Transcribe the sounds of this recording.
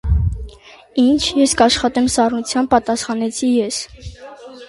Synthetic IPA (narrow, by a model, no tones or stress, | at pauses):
int͡ʃʰjɛskɑʃχɑt̪ɛmsɑrnut͡sʰjɑnpɑt̪ɑsχɑnɛt͡sʰijɛs